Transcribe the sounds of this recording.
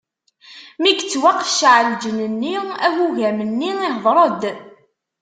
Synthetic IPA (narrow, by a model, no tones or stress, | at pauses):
miɡt͡sːwaqːʃʕəld͡ʒənənːiæhuʝæmənːiihðˤɾˤəd̪